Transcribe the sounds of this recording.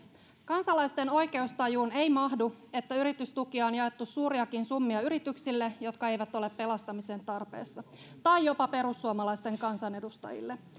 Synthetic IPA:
kɑnsɑlɑjst̪e̞no̞jke̞ust̪ɑjuːne̞jmɑɦdue̞t̪ːæyɾit̪yst̪ukiɑonjɑe̞t̪ːusuːɾiɑkinsumːiɑyɾit̪yksilːejo̞t̪kɑe̞jʋæt̪o̞le̞pːe̞lɑst̪ɑmise̞nt̪ɑrpe̞̰ːsːɑ | t̪ɑjjo̞pɑpe̞ɾusːuomɑlɑjst̪e̞ŋkɑnsɑne̞dust̪ɑ̰jḭlːe

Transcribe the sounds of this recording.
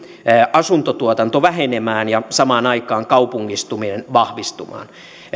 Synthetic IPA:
ʔɑsunt̪ot̪uot̪ɑnt̪oʋæhenemæːnjɑsɑmɑːnɑikɑːŋkɑupuŋːist̪uminenʋɑhʋist̪umɑ̰ːn

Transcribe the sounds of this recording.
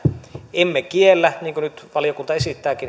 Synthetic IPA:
emːekielːæniːŋkønyt̪ʋɑlijokunt̪ɑesit̪ːæːkin

